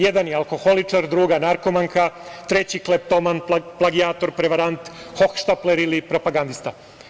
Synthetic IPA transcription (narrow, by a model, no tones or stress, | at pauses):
jed̪anjealko̞xo̞lit͡ʂaɾd̪ɾuːɡanaɾko̞maŋkʰat̪ɾe̞t͡ɕiklep̚t̪omanplˠaɡiaːt̪o̞ɾpɾeʋaɾant̪ | xo̞kʃt̪apleɾilipɾo̞paɡand̪ist̪a